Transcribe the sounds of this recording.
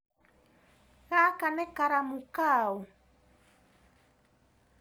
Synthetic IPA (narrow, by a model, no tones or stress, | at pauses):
ɣakanɛkaɾamukau